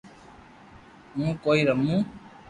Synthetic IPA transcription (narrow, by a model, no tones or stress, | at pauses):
mũkoiɾəmːũ